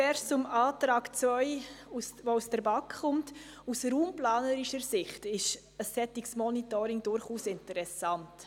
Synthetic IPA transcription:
fɛɾsʊmaːtɾaːkt͡svœʏusvousd̥əɾbɑkχʊmt | usɾuːmplaːnəɾiʃəɾsɪχtɪʃ | əsːɛtiksmɔnitɔɾɪŋdʊɾχuːsɪntəɾɛsɑnt

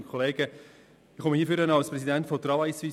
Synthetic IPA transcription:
nkʰoleːɡ̥ə | ɪχɔməhiːfyɾənɑlspɾɛsidæntfɔt̪ɾɑvajsʋi

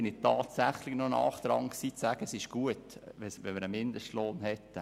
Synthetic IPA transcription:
ɪnɪtɑːtsæχlɪɡnonɑ̰ːχd̪̥ɾɑŋksiːt͡sæːɡ̥əsɪʃɡ̥uətʋɛsʋɛmɪɾəmɪnd̪əʃtloːnhɛtːə

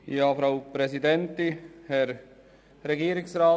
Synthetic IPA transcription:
jɑːfɾaʊpɾɛsid̪ɛnt̪ihɛɾ | ɾɛɡiːəɾɪksɾaː

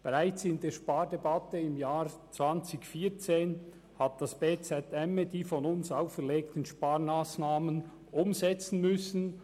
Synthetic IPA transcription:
b̥eʁaɪt͡sɪndeːʃpaːɾdɛbatəɪmjaːɾt͡sv̥ant͡sɪçfiːt͡seːn | hat̚d̥asb̥eːt͡sɛtɛmədiːfɔnʊnsaʊfɛʁleːk̚tən̩ʃpaːɾmaːsnaːmən | ʔʊmzɛt͡sn̩mʏsn̩

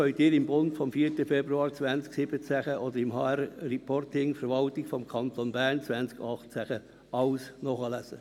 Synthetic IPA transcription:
œʏtiːɾɪmbʊndfɔmfiːəɾtəfɛbɾuɑːɾt͡sʋænt͡sksɪbət͡sæχəʔɔd̪əɾɪmhɑɛɾːipʰɔrtɪŋfəɾʋɑltɪkfɔmkʰɑnt̪onbæɾnt͡sʋænt͡skɑχt͡sæχə | ɑwsnɔχəlæsə

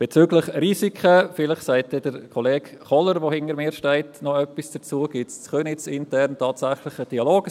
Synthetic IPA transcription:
b̥et͡syːɡlɪχriːsikʰəfɪlɪχsæɪtɛd̥əɾkʰɔleːɡχɔləɾʋohɪnəɾmɪːɾʃtɛɪtnɔœpːisd̥ət͡suəɡ̥ɪtst͡sχønɪt͡sɪntɛrntʰɑːtsæχlɪχəd̥iɑloːɡ

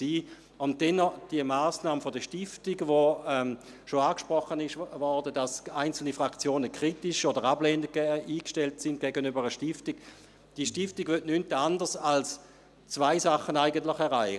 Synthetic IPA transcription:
siː | ʊnt̚d̥ɛnːɔd̥iəmaːsnaːməfodəʃtɪftɪɡvoɛm | ʃoaːkʃpʁɔχənɪʃvɔʁdədasaɪnt͡sl̩nifʁakt͡sjoːnəkʰʁ̥itɪʃodəʁablɛːndɡ̥ɛʔiːkʃtɛltsɪnd̚ɡ̥ɛɡənybəʁəʃtɪftik | d̥iʃtɪftɪɡvytnyntandəʁsals | t͡svaɪsaχːənaɪɡəntlɪχɛʁaɪ

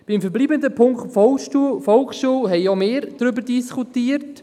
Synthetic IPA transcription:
b̥ɪmfəɾbliːbənd̪əpʰʊŋkχtfɔlufɔlkχʃuːlɦɛɪomeːɾd̥ɾʏbəɾdiskutiːəɾt

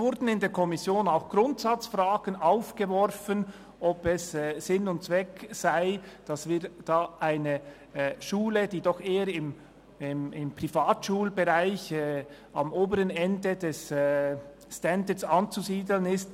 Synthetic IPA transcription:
vʊɾdn̩ɪndeːɐɾkʰɔmɪsjoːnaʊxɡ̥ʁʊntsɑt͡sfraːɡ̥ənaʊfɡ̥əvɔɾfən | ʔɔpɛsɛsɪnʊnt̚t͡sv̥ɛksaɪd̥ɑsviːɾd̥aːʔaɪnə | ʃuːləd̥iːdɔxeːəɾɪm | ɪmɪmpʁ̥ifaːtʃuːlbəʁaɪçː | ɑ̰moːbəɾənɛndədɛs | stɛndəsɑnt͡suziːdlənɪst

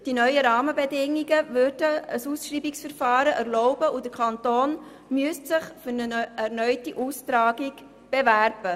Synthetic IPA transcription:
d̥inœʏəɾɑːməbɛdɪŋːiɡəvøɾd̥əəsuːsʃriːbiksfəɾfɑːɾəʔæɾlɔʊbəʔud̥əkʰɑntoːn | myəstsɪχfʏɾnəʔæɾnœʏtiʔuːstɾɑːɡiɡ | b̥evæɾb̥ə

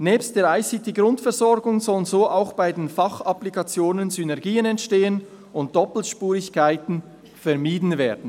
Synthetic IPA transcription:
nɛːpst̚d̥eːɐaɪsɪtʰiɡʁʊntfɛʁzɔɾɡʊŋzɔlənzoːʔaʊxb̥aɪdeːnfɑχɑplikɑt͡sjoːnənzynɛɐɡiːənɛntʃteːən | ʊnt̚d̥ɔpl̩ʃpuːʁɪçkʰaɪtn̩ | fɛʁmiːdn̩veːɐdn̩

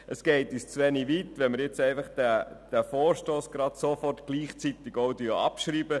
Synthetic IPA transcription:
ʔəsɡ̥eɪtyst͡sʋɛniʋitʋɛnməɾjɪt͡sɛɪfɑχd̥æd̥æfoːrʃtoːsɡ̥ɾɑd̥̪sofɔrtɡ̥liːχt͡sit̪ɪɡoʊdioɑ̰pʃriːbə

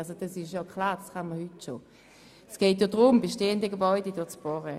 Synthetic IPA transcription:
alsod̥ɑsɪʃjokʰlaːd̥ɑsχanməhytʃo | sɡ̥ɛːt̬jodʁʊmbeʃteːəndəɡəbɔʏdədot͡sb̥ɔːʁə

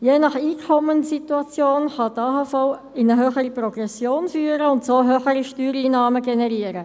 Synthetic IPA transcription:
jeːnɑχiːkʰɔmənsituɑt͡sjoːnχɑdɑːhɑfaw | ɪnəɦøːχəɾiprɔɡ̥rɛsjoːnfyːɾəʊntsoːɦøːχəɾiʃtyːɾiːnɑːməɡɛnɛɾiːəɾə

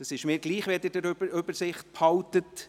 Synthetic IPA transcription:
d̥ɑsɪʃmɪːɾɡ̥liːχʋedədəɾʏbəɾsɪχt̚phɑltət

